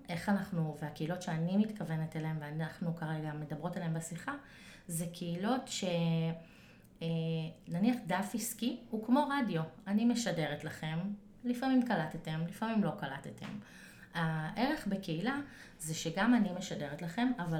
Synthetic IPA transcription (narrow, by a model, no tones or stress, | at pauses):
ʔe̞χanaχnuveakeilo̞tʃeanimitkave̞netalaemveanaχnukaʁeɡame̞dabʁo̞taleembesiχa | zekʰeilo̞tʃe̞ | enaniaχdafiskihukmo̞ʁadjo̞anime̞ʃade̞ʁetlaχe̞m | lifamimkalat̪etemlifamimlo̞kalat̪etʰḛm | aʔe̞ʁe̞χbekeila | zeʃeɡamanime̞ʃade̞ʁetlaχe̞mava